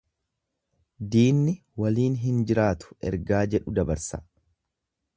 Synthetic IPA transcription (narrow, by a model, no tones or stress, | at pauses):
d̪iːnːɪ | wɐliːnɦɪnd͡ʒɪɾaːt̪ʊ̥ɛ̰ɾɡaːd͡ʒɛᶑʊd̪ɐbɐɾsɐ